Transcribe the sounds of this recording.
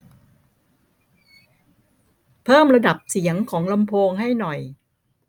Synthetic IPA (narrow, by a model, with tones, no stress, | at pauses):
pʰɤː˥˩mɾa˧da˨˩p̚si˩˦əŋkʰɔː˩˦ŋla˧mpʰoː˧ŋha˥˩jnɔ˨˩j